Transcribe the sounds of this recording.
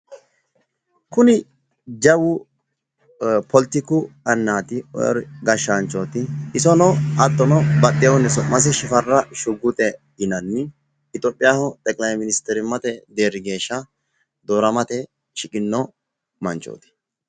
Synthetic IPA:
kʊnɪ | d͡ʒɐwʊ | pʰɔlɪt̪ɪkʊɐnːaːt̪ɪɔ̰ɔ̰ɾɡɐʃːant͡ʃʼːoːt̪ɪɪsɔnɔɐt̪ʼːɔnɔbɐt̪ʼːɪjwnɛsɔmɐs̬ɪʃɪfɐrːɐʃʊɡʊt̪ʼɛɡɪnɐnːɪː | t̪ʼoːpʼːɪjaːhɔt̪ʼɛkʼlɐjmɪnɪst̪ɛɾɪmɐt̪ɛd̪eːɾɪɡe̞ːʃːɐ | d̪oːɾɐmɐt̪ɛ | ʃɪkʼɪnːɔ | mɐnt͡ʃʼːo̰ːt̪ɪ̥

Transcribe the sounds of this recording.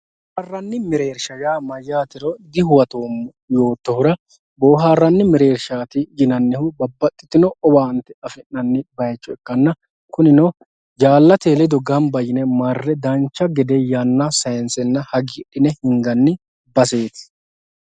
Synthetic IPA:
ɐrːɐnːɪmɪɾe̞ːɾʃɐjaːmɐjːaːt̪ɪɾɔd̪ɪhʊwɐt̪oːm | jo̞ːt̪ːɔhʊɾɐ | boːɦaːrːɐnːɪmɪɾe̞ːɾʃaːt̪ɪjɪnɐnːɛhʊbɐbːɐt̪ʼːɪ̥t̪ɪnɔʔɔbaːnt̪ːɛɐfɪnːɐnːɪbɐjt͡ʃʼːɔɛkːɐnːɐ | kʊnɪnɔ | d͡ʒaːlːɐt̪eːlɛd̪ɔɡɐnbɐjɪnɛmarːɛd̪ɐnt͡ʃːɐɡɛd̪ɛjanːɐsɐjnsɛnːɐhɐɡiɗɪnɛhɪŋɡɐnːɪ | bɐse̞ːt̪ɪ̥

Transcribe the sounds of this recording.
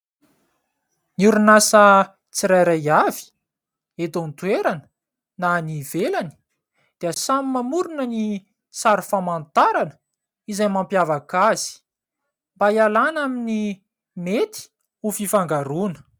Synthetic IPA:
nuɾunasə | t͡siɾajɾajavi̥ | et̪ont̪uweɾanə̥ | nanivelani̥ | d̪̥eəsamimamuɾunəni | saɾufamant̪aɾanə̥ | izajmampjavakaz̥i̥ | mbajalanamini | met̪i̥ | ufifaŋɡaɾunə̥

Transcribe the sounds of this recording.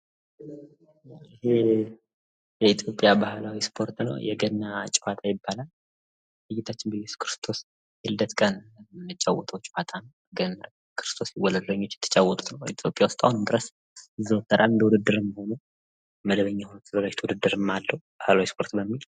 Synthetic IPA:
aɪhe̞ | jɛit̪ʰjo̞pʼjabahlawispʰo̞ɾt̪nə̰wjɛɡənːat͡ʃʼɪwat̪ʰʼajɪbːalal | lɨjːɪt̪ʰat͡ʃːɪnbejɛsu̥kʰɾɨst̪ʰo̞s | jɛhɨd̪ət̪kʼənmɨt͡ʃʼawːɔt̪ʰʼəwt͡ʃːwat̪ʰanəw | ɡənː | kʰɨɾɨ̥st̪ʰo̞sjiwːɔləd̪ləɲːot͡ʃːjɛt̪ʰːə̥t͡ʃʼawːɔt̪ʼut̪nəwit̪ʰjo̞pʼjawʊst̪ʼawnd̪ɨɾəs | ɨzːəwt̪ʰʼːəɾalɨnd̪əwud̪ɨd̪ːɨɾɨmːho̞nu | məd̪əβəɲːahonut̪ʰɨzalot͡ʃt̪ʰwud̪ɨd̪ːɨɾɨmːalːəwubahlawispʰo̞ɾt̪bəmːil

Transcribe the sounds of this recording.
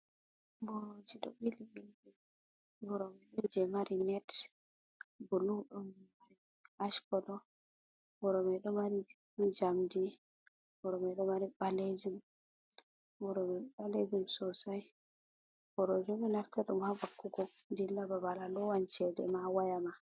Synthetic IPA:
bɔɾod͡ʒiɗɔ̰ɓiliɓilɛ | bɔɾɔmɛind͡ʒɛmaɾinɛt | bɔluɗumːaɾi | aʃkɔɗɔ | bɔɾɔmɛɗɔmaɾi | md͡ʒamdi | bɔɾɔmɛɗɔmaɾiɓaled͡ʒum | bɔɾɔmɛɓaled͡ʒumsɔsaj | b̥ɔɾod͡ʒɔminaftaɗumhavakːuɡɔ | ndilːababalalɔwant͡ʃɛdɛ̰mawajama

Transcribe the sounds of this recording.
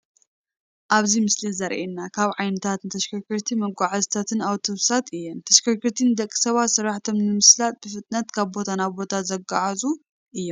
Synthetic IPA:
ʔaβzimɨslizɐɾʔenːakʰaβʕajnɨt̪ʰat̪nɨt̪ʰɐʃkʰɐkɨɾt̪ʰimɐɡʷaʕazt̪ʰat̪ʰɨnawt̪ʰɨβsat̪ɨjːɛnt̪ʰɐʃkʰɐkɨɾt̪ʰinɨd̪ɐkʼːi̥sɐβat̪sɨɾːaħt̪ʰo̞mnɨmɨslat̪̚bɨfɨt̪ʼnɐt̪kʰaβbo̞t̪ʰanaβbo̞t̪ʰazɐɡaʕazu | ʔɨjːom

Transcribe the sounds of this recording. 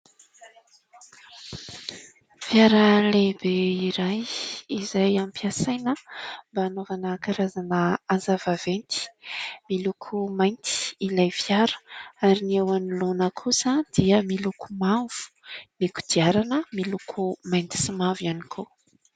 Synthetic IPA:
v̥jaɾəlebeiɾajizajampiasajnəmbaːnovanəkaɾazanəazavavent̪i̥milukʰumajnt̪i̥ilajvjaɾə̥aɾiniewanilonəkʰusəd̪̥iəmilukumav̥u̥niku̥d̪̥iaɾanəmilukʰumajnt̪i̥simavjanikʰo

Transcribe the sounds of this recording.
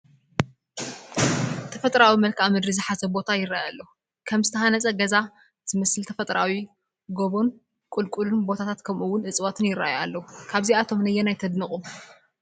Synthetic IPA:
t̪ʰɐfɐt̪ʼɾawimɐlkʰamɨd̪ɾizɨħazɐbo̞t̪ʰajɪɾajalːɐu | kʰɐmzɨt̪ʰɐhanɐt͡sʼɐɡɐza | zɨmɐsɨlt̪ʰɐfɐt̪ʼɾawi | ɡoβon | kʼulkʼulunbo̞t̪ʰat̪ʰat̪kʰɐmʔuwʊnʔɨt͡sʼwat̪ʰɨnjɪrːa̰jalːɐwukʰaβziat̪ʰo̞mnɐjːɛnajt̪ʰɐd̪nɨχʼum

